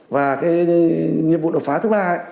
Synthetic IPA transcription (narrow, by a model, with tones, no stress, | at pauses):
vaː˨˩ke˨˦ɲə˧ɓu˨ɗo˨faː˨˦t̪ɨ˦ɓaː˧˩˧